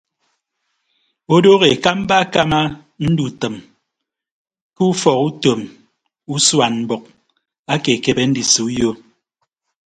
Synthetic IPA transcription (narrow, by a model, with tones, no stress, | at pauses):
o˦do˦ɣe˨ka˦m̩˦ba˦ka˦ma˦ | n̩˦du˨tɨ˨m | kɨ˦u˦fɔ˨ku˦to˨m | u˦swa˨nm̩˨bɔ˨k̚ | a˦ke˨ke˨bɛ˦n̩˦di˨su˨u˦jo˦